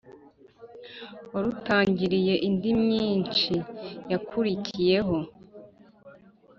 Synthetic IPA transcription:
waɾutaːɲɟiɾije̞ʔindimɲiːnt͡ʃijakʰuɾicʰije̞ɦo̞

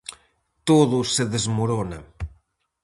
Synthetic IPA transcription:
t̪oðuseðezmuɾonɐ

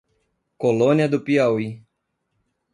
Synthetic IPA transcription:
kolõniɐd̪ʊpiawi

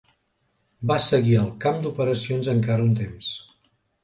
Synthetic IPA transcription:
basəɣiəlˠkamd̪upəɾəsionzəŋkaɾəunt̪ems

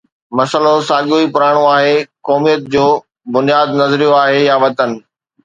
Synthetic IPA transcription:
mɐsəlosaːɠoːipʊɾaːɽ̃oaːɦekɔːmijət̪̚d͡ʑoː | bʊnijaːd̪nɐzɾijoaːɦejaʋɐt̪ən̆

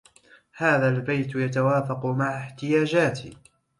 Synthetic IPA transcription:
haːðalbajt̪jat̪awaːfɑqʊmaʕɪħt̪ɪjaːd͡ʒaːt̪ʰḭ

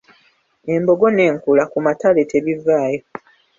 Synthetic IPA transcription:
e̞mbo̞ɡo̞ne̞ːŋkulakumatalete̞βivaːjo

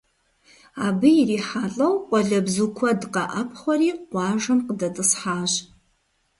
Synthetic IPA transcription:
abɨiriːħaɬʼɐwqʷʼɔɮɐbzukʷʰɐdqɐʔapʰχʷɔriːqʷɑːʒɐmqədɐtʼɨsħaːɕ

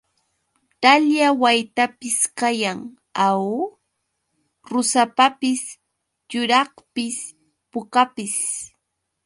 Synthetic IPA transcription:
t̪aʎjawajt̪apɪskajaŋ | aw | ɾʊsapapɪs | jʊɾɑhpɪs | pʊkapɪs

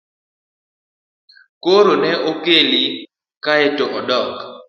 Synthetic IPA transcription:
koɾonɛʔokeli | kaɛtoʔɔdɔk

